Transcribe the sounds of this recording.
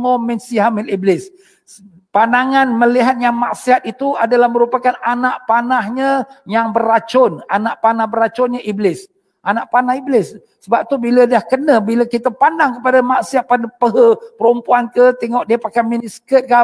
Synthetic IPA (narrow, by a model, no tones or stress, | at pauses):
oʔmɛnsiɦamɪliblɪs | pandaŋanməliɦat̪̚jaŋmaʔsiat̪̚it̪uadalahməɾupakananaʔpanahɲəjaŋbəɾat͡ʃʊnanaʔpanahbəɾat͡ʃʊnɲəʔiblɪs | ʔanaʔpanahiblɪsː | əbap̚t̪ubilədahkənəbiləkit̪əpandaŋkəpadamaʔsiat̪̚padəpəɦəpəɾumpuankət̪ɛŋɔʔdiəpakajminiskət̪̚ka